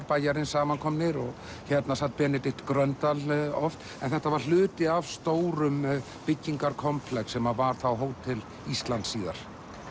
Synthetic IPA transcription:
ɾpaːjaɾɪnsaːmankʰɔmnɪɾɔɣ | çɛt̪nasat̪̚pɛːnɪt̪ɪht̪kɾœnt̪alɔft̪ | ɛ̰nθɛht̪avaɾ̥l̥ʏːt̪ɪavst̪oːwɾʏm | pɪcːiŋkaɾkʰɔmpʰlɛksɛmavaɾ̥θawɦoːwt̪ʰːɪl | ist̪lant̪siːɣa̰ɾ̥

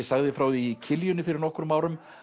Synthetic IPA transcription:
saɣðɪfɾaːwðiːcʰɪljʏnɪfɪɾɪɾnɔhkʏɾʏmaːwɾʏm

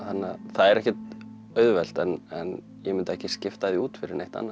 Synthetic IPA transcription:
hanːaθaðɛɾɛhcɛt̪ | œɥðvɛl̥t̪ɛnɛn | jɛmɪnt̪aɛhcɪscɪft̪aðiuːt̪fɪɾɪɾnejht̪a̰nːa

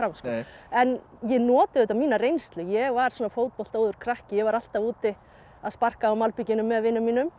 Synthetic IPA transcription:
ɾamskɛnjɛnɔːt̪ɪðɪt̪ːamiːnarejnst̪lʏjɛɣvaɾ̥sɔːnafoːwt̪̚pɔl̥t̪owðʏɾ̥kʰɾahcɪjɛɣvaɾal̥t̪avuːt̪ɪ | aðspar̥kaːwmalpicɪnʏmːɛðvɪnːʏmːiːnʏm

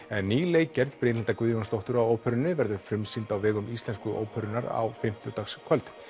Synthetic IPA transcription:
ɛnːiːleɣcɛɾðpɾenhɛlt̪akvʏːðjʏkanst̪owht̪ʏɾawoːwpʰœɾɪnːʏvɛɾðʏfɾʏmsint̪awvɛːɣʏmist̪lɛnskʏʔo̰ːwpʰœɾʏnaɾa̰wfɪm̥t̪ʏt̪akskʰvœlt̪

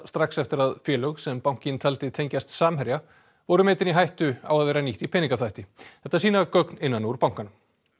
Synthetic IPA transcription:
st̪ɾaksɛft̪ɪɾaðfjɛːlœɣsɛmpaw̥̃cɪnt̪ʰɛlt̪ɪt̪ʰejɲcast̪saːmhɛɾja | vɔɾʏmɛːt̪ɪniɦajht̪ʏa̰waðvɛːɾaniht̪ipʰɛniŋkaθajht̪ɪθɛht̪aɛɾsiːnakœknɪnːanːʏuɾpawŋkanʏm

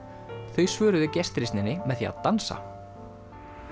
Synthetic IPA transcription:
θœɥsvœːɾʏðʏcɛst̪ɾist̪nɪnːɪmɛðθḭa̰ðt̪ansa̰

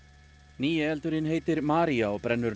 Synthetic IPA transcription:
niːɛɛlt̪ʏɾɪnɦeːjt̪ɪɾmaːɾiaɔpɾɛnːʏɾ

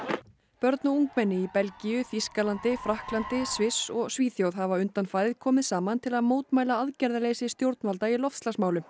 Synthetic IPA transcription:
pœɾt̪nauŋkmɛnːɪipɛlcijʏθiskalant̪ɪfɾahklant̪ɪsvɪsɔɣsviːθjowð̥ɦavaʏnt̪anfaːjðɪðkʰɔːmɪðsaːmant̪ʰɪlaðmoːwt̪maːjlaaðcɛɾðalejsɪst̪jowɾt̪̚nvalt̪ailɔft̪stlansmaːwlʏ

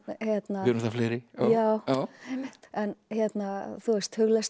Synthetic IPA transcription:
hjɛt̪naɾsθafleːɾɪɔjaːwawemɪht̪ɛnçjɛt̪naθuɛst̪hʏɣlɛst

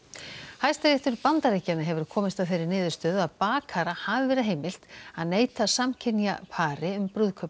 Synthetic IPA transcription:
hajst̪aɾeht̪ʏɾpant̪aɾecːanaɦɛvʏɾ̥kʰɔːmɪst̪aðθejɾːɪɾnɪːðʏɾst̪œːðaðpaːkʰaɾahavɪvɛːɾɪðɦeːjmɪl̥t̪aðneːjt̪asamcʰɪnja̰pʰaːɾɪʏmpɾʏðkʰœp

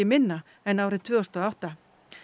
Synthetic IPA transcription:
ɪmɪnːa | ɛnawɾɪt̪ʰvœːɔst̪ɔːawht̪a

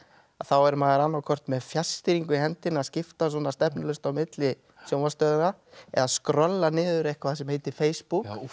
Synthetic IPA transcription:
aðθawɛɾmaːðɪɾanːawkʰɔr̥t̪mɛðfjḁst̪ɪɾiŋkʏhɛnt̪ɪnaðscɪft̪as̬ɔnast̪ɛpnɪlœst̪awmɪt̪lɪ | sjowvast̪œːðɪaɛ̰ðaðskɾœlːanɪːðʏɾɛjhkaθas̬ɛmheːjt̪ɪfeːjspuk

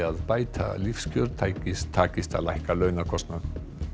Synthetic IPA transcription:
aðpaːjt̪ʰa̰lɪfscœɾt̪ʰaːjcɪst̪ʰaːcɪst̪a̰lajhkalœːɥnakʰɔst̪nan

